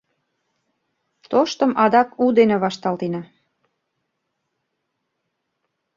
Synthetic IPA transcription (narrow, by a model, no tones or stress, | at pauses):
t̪oʃt̪ə̆mʔɑd̪ɑkud̪eneβɑʃt̪ɑlt̪enɑ